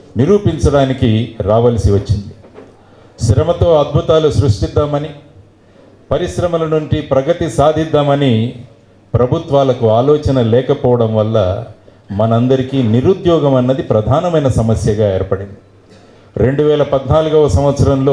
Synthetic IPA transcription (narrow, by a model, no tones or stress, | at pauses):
niɾuːpiɲt͡ʃɐɽaːnikiɾaːʋɐlɐsiʋɐt͡ʃːind̪i | ʃɾɐmɐt̪oːɐd̪̚bʱut̪aːlusɾuʂʈid̪ːaːmɐni | pɐɾiʃɾɐmɐlɐnuɳʈipɾɐɡɐt̪isaːd̪ʱid̪ːaːmɐni | pɾɐbʱut̪ʋaːlɐkuaːlɔːt͡ʃɐnɐlɛːkɐpɔːʋɐɽɐmʋɐlːɐ | mɐnɐɐnd̪ɐɾikiːniɾud̪jɔːɡɐmɐnːɐd̪ipɾɐd̪ʱaːnɐmɐjnɐsɐmɐsjɐɡaːeːɾpɐɽind̪i | ɾe̞ɳɖuʋɛːlɐpɐd̪naːluɡɐʋɐsɐmʋɐt̪sɐɾɐmlo̞ː